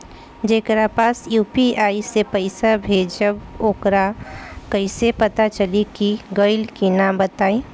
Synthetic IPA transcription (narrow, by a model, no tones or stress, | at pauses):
d͡ʒeːkɾapaːsjuːpiaːisepəɪsabʱeːd͡ʒəboːkɾakəɪsepɐt̪at͡ʃəlikiɡəɪlkinambət̪aːĩ